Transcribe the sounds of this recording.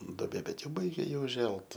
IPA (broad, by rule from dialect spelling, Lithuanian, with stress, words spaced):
doːˈbʲeː ˈbʲɛt ˈjɛʊ ˈbɐɪɡʲɛ ˈjɪ ʊˈʒʲɛlˠt